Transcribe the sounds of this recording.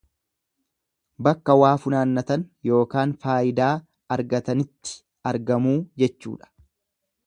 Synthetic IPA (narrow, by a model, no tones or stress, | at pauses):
bɐkːɐwaːfʊnaːnːɐt̪ɐnjo̞ːkaːnfaːʔɪd̪aː | ɐɾɡɐt̪ɐnɪt̪ːɪ̥ | ɐɾɡɐmuːd͡ʒɛt͡ʃːṵːᶑɐ̥